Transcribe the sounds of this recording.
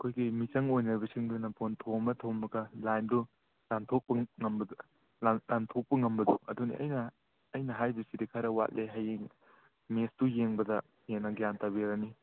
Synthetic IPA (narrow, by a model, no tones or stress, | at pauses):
ɐkʰojɡimit͡ʃɐŋojnɐɾbɐsiŋdunɐpontʰomɐtʰomːɐɡɐlajndu | lantʰok̚pɐŋɐmbɐd | lalantʰok̚pɐŋɐmbɐduɐ̰dunḭʔɐ̰jnɐː | jnɐɦajbisidikʰaɾɐwa̰t̚lʔeɦɐjeŋ | mestujeŋbɐdɐ | jenːɐɡijantabiɾɐni